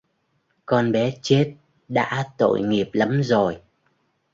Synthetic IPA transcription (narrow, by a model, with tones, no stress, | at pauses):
kɔ˧nɓɛ˨˦t͡ɕe˦˥t̚ | ɗa̰ː˧˥t̪o̰˧˨jŋi˨˩əp̚lə˨˦mzo˨˩j